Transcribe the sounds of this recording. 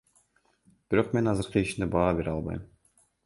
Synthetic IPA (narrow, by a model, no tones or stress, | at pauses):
b̥iɾo̞qme̞nɑzɯɾqɯiʃind̪ebɑːbeɾɑlˠbɑ̰jm